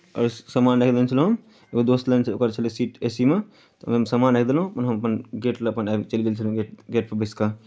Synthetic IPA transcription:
ɔ̰ːɾsəmanɾekʰd̪ent͡ʃʰəlɦũ | eɡod̪ost̪lant͡ʃʰlokəɾt͡ʃʰəlesiːʈesime | t̪ɔmemsəmanɾekʰd̪elɦũɐpənɦəməpənɡeʈleːpənat͡ʃəliɡelt͡ʃʰəlɡeʈɡeʈpəbeska

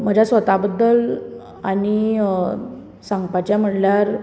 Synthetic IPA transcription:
m̤əd͡ʑʱasʋət̪abəd̪ːəl | ani | sãŋɡpat͡ɕjam̤əʈljaɾ

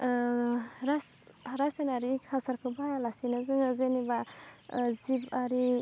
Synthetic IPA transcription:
ɾas | ɾasanaɾikʰasaɾkʰɯbajalasinazɯŋazeniba | zibaɾi

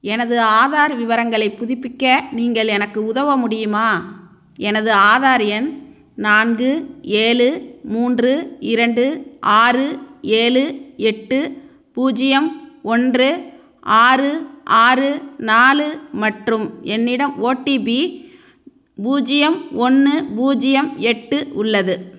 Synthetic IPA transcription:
ɛnɐðɯaːðaːɾʋɪʋɐɾɐŋɡɐɭɐɪpːʊðɪpːɪkːɐniːŋɡɐɭɛnɐkːɯʊðɐʋɐmʊɽɪjɯmaː | ɛnɐðɯaːðaːɾɪjɐn | naːnɡɯeːlɯmuːndrɯɪɾɐɳɖɯʔaːrɯeːlɯɛʈːɯ | buːd͡ʒɪjɐmɔndrɯ | ʔaːrɯʔaːrɯnaːlɯmɐʈrɯmɛnːɪɽɐmoːʈːibi | buːd͡ʒɪjɐmɔnːɯbuːd͡ʒɪjɐmɛʈːɯʊɭːɐðɯ

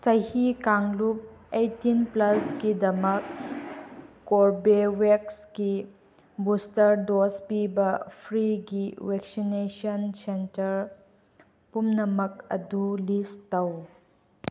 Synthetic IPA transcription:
t͡ʃɐjhikaŋlup̚ejtːinplɐskidɐmɐk | oɾbewekski | bustɐɾdospibɐpʰɾiɡiweksinesonsentɐɾ | pumnɐmɐk̚ɐ̰dulistɐw

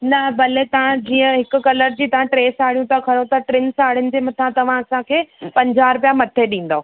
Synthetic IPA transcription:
nɐbɐlet̪ɐʋ̤ãd͡ʑiːə̃ɦɪkʊ̆kɐləɾd͡ʑiːt̪ɐʋ̤ãʈɾeːsaːɽ̤ijũt̪ʰakʰɐɾõt̪ʰɐʈɾɪnsaːɽɪʊnɪ̆d͡ʑemɐt̪ʰãt̪ɐʋ̤ãɐsãkʰeːpɐ̃ɲd͡ʑʱaːɾpjamɐt̪ʰeɗĩːn̆d̪o

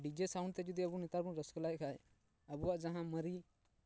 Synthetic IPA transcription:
ɖid͡ʒesaʊ̃ɳɖt̪ed͡ʒud̪iɐbunɪt̪aːɾbũɾəsklaːjkʰaːe | ɐbuad͡ʒɐɦãmɐɾi

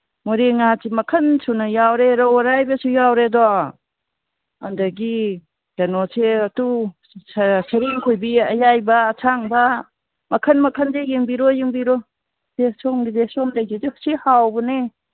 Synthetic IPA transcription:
muɾeŋatimɐkʰɐnsunajawɾeɾɔwaɾajbasujawɾedɔ | a̰ndaɡi | d͡ʒanɔseɐtu | sɐɾiŋkʰojbiɐjajbɐːtʰaŋba | mɐkʰɐnmɐkʰandejeŋbiɾɔjeŋbiɾɔ | d̥esɔŋɡidesɔmdajzidihsihawbɔne

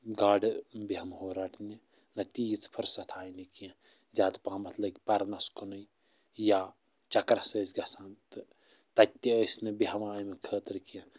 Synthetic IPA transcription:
ɡaːɖbiɦɐmhoːɾaʈʰni | nɐt̪iːt͡spʰɨɾsɐt̪ʰaːjnikijɐ̃ | zʲaːd̪pãːmɐt̪lɐkʲipɐɾnɐskonuj | jaː | t͡ʃɐkɾɐsəːsɡɐsant̪ɨ | t̪ɐt̪ʲːiəːsnɨbiɦɐmaːjmekʰəːt̪ɨɾkijɐ̃

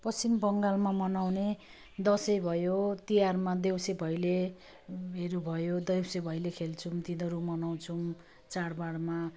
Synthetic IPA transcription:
pʌst͡simbʌŋɡalmamʌnawne | d̪ʌsʌjbʱʌjot̪ijarmad̪ewsebʱʌjle | ɦeɾubʱʌjod̪ʌjwsebʱʌjlekʰelt͡sʰumt̪inʌɾumʌnaw̃t͡sʰum | t͡sarbaɽma

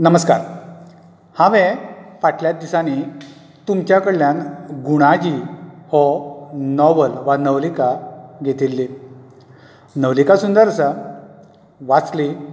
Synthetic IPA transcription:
nəməska̰ɾ | hãʋɛ̃paʈʰljat̪̚d̪isani | t̪umt͡ɕjakəɽljanɡuɽ̃ad͡ʑihɔnɔʋəlʋanəʋlikaɡʱet̪ilːi | nəʋlikasund̪əɾəsə | ʋat͡sli

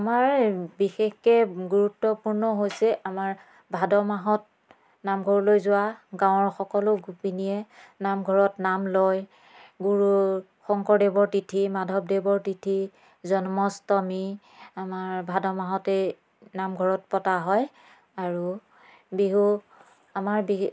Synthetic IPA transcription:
amaɹbixexkɛɡuɹutːɔpuɹnɔɦojsɛʔamaɹ | bʱadɔmaɦɔt̚ | namɡʱɔɹlojzʊwaɡãw̃ɔɹxɔkɔlʊɡupinijɛnamɡʱɔɹɔtnamlɔj | ɡuɹu | xɔŋkɔɹdebɔɹtitʰimadʱɔpdebɔɹtitʰi | zɔnmɔstɔmi | amaɹbʱadɔmaɦɔtɛ | namɡʱɔɹɔt̚pɔtaɦɔj | aɹu | biɦu | amaɹbi

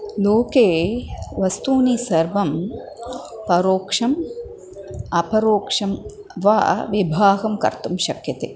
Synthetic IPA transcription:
loːkeːʋɐst̪uːnisɐɾʋɐm | pɐɾoːkʂɐm | ɐpɐɾoːkʂɐm | ʋa̰ʋibʱaːɦɐmkɐ̰ɾt̪umʃɐkjɐt̪e

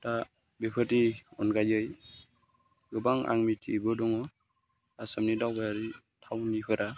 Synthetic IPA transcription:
ta | bipʰɯtiɔnɡajɯj | ɡɯbaŋa̰ŋmitʰibɯdɔŋɔ | asamnidawbajaɾitʰawnipʰɯɾa

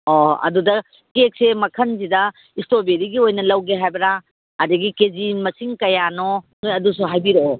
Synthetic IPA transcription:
ɔɐ̰dudɐ | kek̚semɐkʰɐnzidɐ | istobeɾiɡiojnɐlɐwɡeɦajbɐɾa | ɐdɐɡikezinmɐsiŋkɐjanɔnojɐdusuɦajbiɾeo

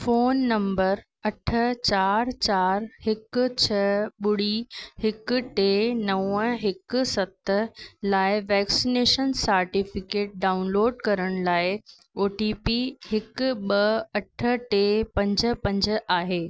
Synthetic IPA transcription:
foːnːɐ̃mbəɾ | ɐʈʰət͡ɕaːɾt͡ɕaːɾɦɪk̆t͡ɕʰɐɓʊɽ̤ihɪkʊ̆ʈeːnɐə̃ɦɪksɐt̪əlaːɪʋɛːksineːʃənsɐɾʈifɪkeːʈ̚ɖaːʊnloːɖkɐɾəɽ̃laːɪ | oːʈipiɦɪkʊɓɐɐʈʰə̆ʈepɐ̃ɲd͡ʑəpɐ̃ɲd͡ʑəaːɦeː

